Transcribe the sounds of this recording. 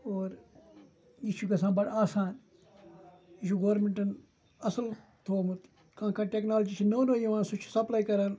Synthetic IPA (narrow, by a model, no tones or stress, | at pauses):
oːɾ | iːʃukɐs̬ãːbɐɽaːsaːn | iʃuɡoːɾmẽɳʈɐn | ɐsəl | t̪ʰoːmut̪ | kãːkʰãːʈeknaːld͡ʒit͡ʃʰinoːnojiʋãːsut͡ʃʰsɐplaːikɐɾaːn